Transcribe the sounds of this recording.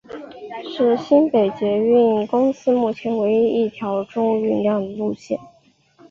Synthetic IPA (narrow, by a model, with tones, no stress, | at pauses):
ʂɻ̩˥˩ɕi˥npe˨˩ɪt͡ɕɥɛ˧˥y˥˧ni˥˩nkʊ˥ŋsɹ̩˥mu˥˩t͡ɕʰjɛ˧˥nwe˧˥ɪi˥i˥˩t̪ʰjɑ˧˥ʊʈ͡ʂʊ˥ŋy˥˧nljɑ˥˩ŋd̪ə˩lu˥˧ɕjɛ̰˥˩˦n